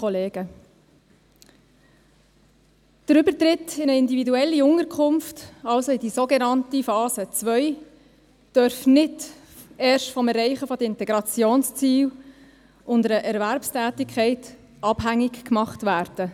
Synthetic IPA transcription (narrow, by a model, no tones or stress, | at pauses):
ɔleːɡ̥ə | d̥əɾʏbəɾtɾɪtɪnəɪndividuɛlːiʊŋəɾkʰχʊmftɑlsoɪdisoɡenɑntifɑːsət͡sʋœʏ | d̥œɾfnɪd | ɛːɾʃtfɔmɛrɛɪχəfɔdəɾɪntɛɡɾɑt͡sjoːnst͡siːw | ʔʊndəɾəʔɛɾvæɾpstæːtɪkʰχɛɪt | ɑb̥ɦæŋːɪkkmɑχtʋæːɾd̥ə